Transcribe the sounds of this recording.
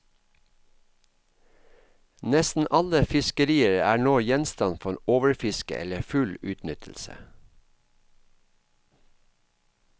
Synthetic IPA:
nɛst̪n̩ʔɑləfɪskəɾiːəɹəæːɳoːjɛnst̪ɑnfɔeːnoːʋəɹfɪskə̰ʔɛ̰ləfʉlʉːt̪nʏt̪ʰl̩sə̰

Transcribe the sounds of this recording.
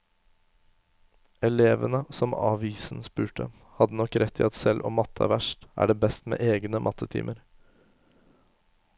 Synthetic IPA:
ɛleːʋənəsɔmɑ̰ːʋiːsn̩spʉːʈə | hɑd̪ːənɔkːɾʔɛt̪ʰːiːɑt̪sɛlʔɔmɑt̪ʰːəæ̰ɾʋæʂʈʔæ̰ːɖeːbɛst̪mḛːʔeːɡnəmʔɑt̪ʰːət̪ʰḭːmʔəɾ

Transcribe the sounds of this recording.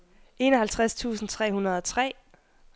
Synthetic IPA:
ʔe̝nɒ̽ɦælt͡sʰʁast͡sʰṵːsn̩t͡sʰʁɛ̰ːhunɐð̞̩ˠɒ̽t͡sʰʁɛ̰ː

